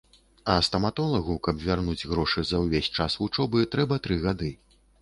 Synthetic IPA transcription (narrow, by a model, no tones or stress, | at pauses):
ɐst̪ɐmat̪ɔlˠɐɣukɐbvʲarnud͡zʲɣɾɔʂɨzɐwvʲesʲt͡ʂasvut͡ʂɔbɨt̪ɾɛbɐt̪ɾɨɣad̪ɨ